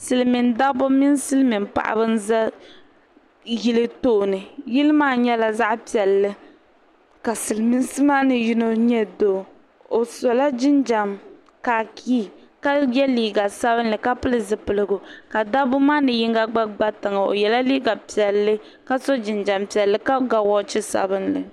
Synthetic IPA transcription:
sɨ˨lmi˨nda˦bʊ˦mi˦nsɨ˦lmi˨npa̰˨ʔa̰˨bɨ˦n˦za˦ | ji˦lɨ˦toː˦˨nɨ˨ji˦lɨ˦maː˦ɲɛ˦la˨za˦ʔpi˨ɛ˨lːɨ˦ | ka˨sɨ˨lɨ˨mi˦n˦sɨ˦maː˦nɨ˨ji˦no˦ɲɛ˦doː˨ | o˨so˨la˦d͡ʒɪ˦nd͡ʒa˨m | kaː˨kʰiː˦˨ | ka˦jɛ˦liː˦ɡa˨sa˦bɨ˦n̩˦lɨ˨ka˦pɨ˦lɨ˦zɨ˨pɨ˨lɨ˨ɡʊ˨ka˨da˦bʊ˦maː˦nɨ˨ji˦ŋ˦ɡa˦ɡ͡ba˦ɡ͡ba˦ta˨ŋa˨o̰˨jɛ˨la˦liː˦ɡa˨pi˨ɛ˨lːɨ˦ | ka˦so˦d͡ʒɪ˨nd͡ʒa˨mpi˨ɛ˨lːɨ˦ka˦ɡa˨wɔ˦t͡ʃɪ˦sa̰˨bɨ˦nlɨ̰˨

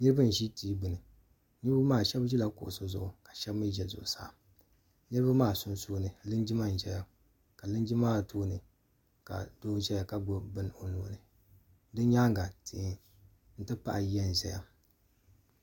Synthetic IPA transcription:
nɨ˦ɾɨ˦ba˦˨n̩˨ʒi˦tiː˦bɨ˨nɨ˨ | nɨ˦ba˦maː˦˨ʃɛ˦bʒi˦la˨kʊ̰˨ʔʊ˨so˦zʊ˨ʔʊ˨kḁ˨ʃɛ˦bmɨ˦ʒɛ˨zʊ̰˨ʔʊ˨sa̰ː˦˨ | nɨ˦ɾba˦maː˦˨sʊ˦n˦soː˦nɨ˨lɨ˦nd͡ʒi˦ma˦˨n̩˨ʒɛ˨ja˦ | ka˨lɨ˦n˦d͡ʒi˦maː˦˨tʰoː˦nɨ˨ | ka̰˨doː˦ʒɛ˦ja˨ka˦ɡ͡bʊ˦bɨ˦n˦˨o˨no̰ː˨nɨ˨ | dɨ˦ɲaː˦ŋ˦ɡa˨tʰi˨˦ | n̩˦tɨ˦pa˦ʔjɛ˦n˨zɛ˨ja̰˦

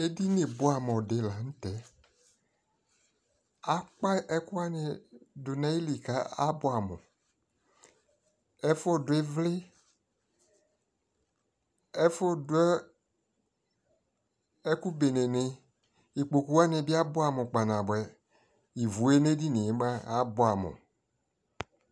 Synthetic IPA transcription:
e˦di˦nẽ˨bʊ˦a˨mɔ̃˨de˨la˨ŋ̩̃˦t̪ɛ˨˦ | a˦k͡pa˦ʔɛ˦ku˦a˦nɪ˨dʊ˨nã˦i˦li˨ka˦a̰˦bʊ˦a˨mo˨ | ɛ˦fo˦˨dʊ˨e˦vlɪ˦ | ɛ˦fʊ˦dʊ˦ | ɛ˦ku˦be˨nẽ˨ne˨ | i˨k͡po˨ku˦wa˦nɪ̃˨bi˦a˦bʊ˦a˨mʊ̃˨k͡pa˨nã˨bɛ˨ | i˨vu˨e˦ne˦di˦nẽ˨e˦ma˦a˦bo˦a˨mʊ̰˨

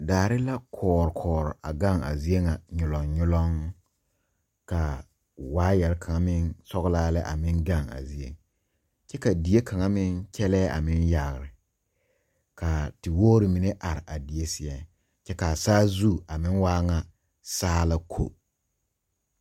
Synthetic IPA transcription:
daː˨ɾɪ˦la˦kʰɔː˨ɾkʰɔː˨ɾɔ˨ʔa˨ɡa˦˨ŋa̰˨zi˦e˦ŋa˨ɲʊ˨lɔ˨ŋɲʊ˦lɔ˦ŋ | ka˨ | waː˦jɛ˨lka˨ŋa˦mɪ˦nsɔ˦ɣlaː˦lɛ˦ʔa̰˨mɪ˦nɡa˦˨ŋa̰˨zi˦ḛ˦ŋ | t͡ʃɛ˦ka˨di˨je˦kʰa˨ŋa˦mɪ˦nt͡ʃɛ˦lɛː˦ʔa̰˨mɪ˦nja˨ɣɾɪ˨ | ka˨tɪ˨woː˦ɾɪ˨mi˨ne˦ʔa˨ɾɪ˨ʔa˨di˨e˦sɪ˨ɛ˦ | t͡ʃɛ˦ka˨saː˦zu˦a˨mɪ˦nwaː˦ŋa˨ | saː˦la˦kʰo̰˦

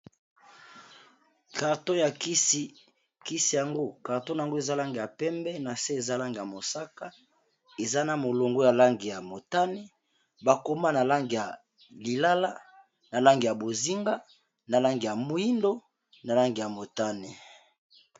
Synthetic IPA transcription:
ka˨ʁto˦ja˨ki˦si˦ | ki˦si˨ja˨ŋɡo˦ka˨ʁto˦na˨a˨ŋɡo˦e˨za˦la˦ŋɡi˨ja˨pɛ˦mbɛ˦na˨se˦e˨za˦la˦ŋɡi˨ja˨mo˨sa˦ka˦ | e˨za˦na˨mo˨lo˨ŋɡo˦ja˨la˦ŋɡi˨ja˨mo˨ta˦ne˦ | ba˨ko˦ma˦na˨la˦ŋɡi˨ja˨ | li˨la˦la˦ | na˨la˦ŋɡi˨ja˨bo˨zi˦ŋɡa˦ | na˨la˦ŋɡi˨ja˨mo˨i˦ndo˦ | na˨la˦ŋɡi˨ja˨mo˨ta˦ne˨

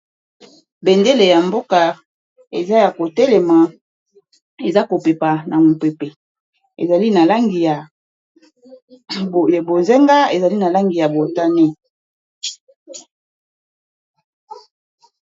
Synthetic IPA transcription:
be˨nde˦le˨ja˨mbo˦ka˨ | e˨za˦ja˨ko˨tɛ˦lɛ˨ma˨ | e˨za˦ko˨pe˨pa˨na˨mu˨pe˨pe˨ | ḛ˨za˨li˦na˨la˦ŋɡi˨ja˨ | bo˨ze˦ŋɡa˦e˨za˨li˦na˨la˦ŋɡi˨ja˨bo˨ta˦ne˦

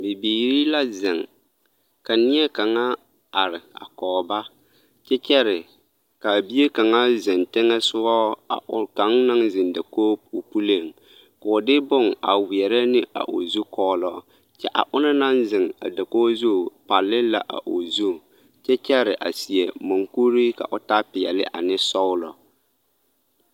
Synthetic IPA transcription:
bɪ˨biː˨ɾi˦la˦zɪ˨ŋ | ka˨nɪ˦ɛ˦ka˨ŋa˦ | a˨ɾɪ˨a̰˨kɔː˨ba˦ | t͡ʃɛ˦t͡ʃɛ˦ɾɪ˨ | ka˨bi˦e˦ka˨ŋa˦zɪ˨ntɪ˦ŋɛ˦sʊ˦ɔ˦a̰˨ʊ˦ka˨˦ŋ˦na˦ŋzɪ˨nda˨koː˦o˨pu˦le˨ŋ | ka˨ʊ˨dɪ˦bʊ˦˨ŋa̰˨wɪ˨ɛ˨ɾɛ˦nɪ˦ʔa̰˨ʔʊ̰˨zu˦kɔː˦lɔː˦ | t͡ʃɛ˦ʔa̰˨ʔʊ˦nɪ˦na˦ŋzɪ˨ŋa̰˨da˨koː˦zu˦˨pa˨lːɪ˦la˨ʔa̰˨ʔʊ˨zu˦˨ | t͡ʃɛ˦t͡ʃɛ˦ɾɪ˨ʔa̰˨si˨ɛ˨mʊ˨ŋku˦ɾi˦ka̰˨ʔʊ˨ta˦pɪ˨ɛ˨lɪ˦ʔa̰˨nɪ˦sɔ˦wʊ˦lɔ̰˨

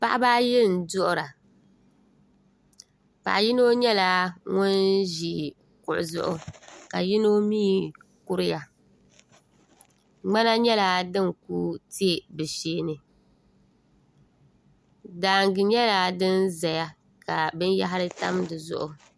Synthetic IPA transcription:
pa˦ʔbaː˦jɛ˦˨n̩˨dʊ˦ʔʊ˦ɾa˨ | pa̰˨ʔji˦no˦ɲɛ˦laː˦ŋʊ˦nʒi˨ | kʊ̰˨ʔʊ˨zʊ̰˦ʔʊ˨ka˨ji˦no˦miː˦kʊ˦ɾɪ˦ja˨ | ŋ͡ma˦na˦ɲɛ˦la˦dɨ˦ŋkṵː˦ti˦e˦bɨ˨ʃeː˦nɨ˨ | daː˨ŋɡɨ˨ɲɛ˦la˦dɨ˦nza˨ja˦ | ka˨bɨ˦n˦ja̰˦ɦa˦ɾɨ˦ta̰˦mdɨ˨zʊ̰˦ʔʊ˨

